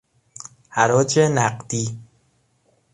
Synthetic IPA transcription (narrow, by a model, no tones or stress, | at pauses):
hæɾɒːd͡ʒenæqd̪iː